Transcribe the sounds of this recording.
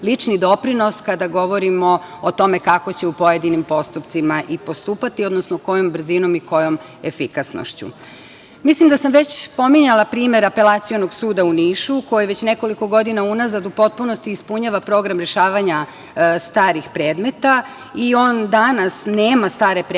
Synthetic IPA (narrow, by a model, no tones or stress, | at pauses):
lit͡ʂnid̪o̞pɾino̞skad̪aɡo̞ʋo̞ɾimo̞ːt̪o̞me̞kakot͡ɕeupo̞je̞d̪inimpo̞st̪upt̪simaʔipo̞st̪uːpat̪iod̪nosnoko̞jo̞mbr̩zino̞miko̞jo̞m | efikasno̰ʃt͡ɕṵ | mislimd̪asamʋe̞t͡ɕpo̞miɲalapɾiːme̞ɾape̞lˠat̪sijonoɡsuːd̪auniːʃuko̞jiʋet͡ɕne̞ko̞liko̞ɡo̞d̪inaunazad̪upo̞t̪̚puno̞st̪iːspuɲaʋapɾo̞ɡɾamɾe̞ʃaːʋaɲa | st̪aːɾixpɾeːd̪me̞t̪a | io̞ːnd̪anasneːmast̪aːɾe̞pɾ